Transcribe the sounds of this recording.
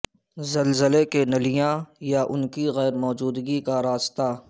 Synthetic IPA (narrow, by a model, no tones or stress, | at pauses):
zɐlzəlekenɐlijãjaʔʊnkiɣɛːɾmɔːd͡ʒuːd̪ɡikaɾaːst̪a